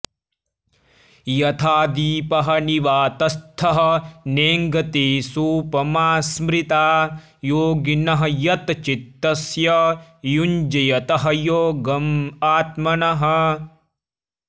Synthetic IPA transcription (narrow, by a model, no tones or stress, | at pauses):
jɐt̪ʰaːd̪iːpɐɦɐniʋaːt̪ɐst̪ʰɐɦɐ̆neːŋɡɐt̪eːsuːpɐmaːsmɾit̪aː | joːɡinɐɦɐ̆jɐt̪t͡ʃit̪ːɐsjɐjund͡ʒɐjɐt̪ɐɦɐjoːɡɐmaːt̪mɐnɐɦɐ̆